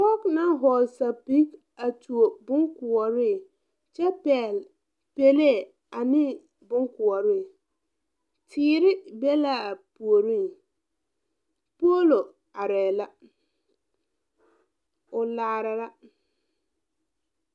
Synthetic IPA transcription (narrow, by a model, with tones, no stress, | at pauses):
tɔ˦kna˦ɦɔ˨sa˨pi˦k | a˨tʰu˨o˨bʊ˦ŋkʊ˨ɔ˨ɾɪ˦˨ | t͡ʃɛ˦pɛ˨l | pe˦le˦˨ | a˨nɪ˦ | bʊ˦ŋkʊ˨ɔ˨ɾɪ˦˨ | tʰɪː˦ɾɪ˦be˦la˦˨pu˨o˨ɾi˦˨ | po˦lo˨ | a˨ɾɛː˨la˦ | ʊ˨laː˨ɾa˨la˦